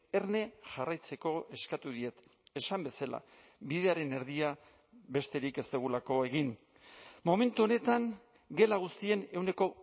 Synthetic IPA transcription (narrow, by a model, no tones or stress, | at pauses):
e̞rne̞ʝarajt͡se̞ko̞ʔe̞skat̪uðie̞t̪e̞sambe̞sala̰ | βiðe̞aɾe̞ne̞ɾðia | βe̞st̪e̞ɾike̞st̪eɣ̞ulako̞e̞ɣ̞in | mo̞me̞nt̪uo̞ne̞t̪aŋ | ɡe̞laɣ̞ust̪ie̞ne̞wne̞ko̞